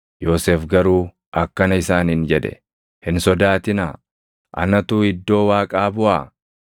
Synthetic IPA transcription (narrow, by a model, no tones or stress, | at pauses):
jo̞ːseːfɡɐɾuː | ʔɐkːɐnɐɪsaːnhɪnd͡ʒɛd̪ɛ̰ | hɪnsɔd̪aːt̪ɪnaː | ʔɐ̰nɐt̪uːɪd̪ːo̞ːwaːkʼaːbʊʔaː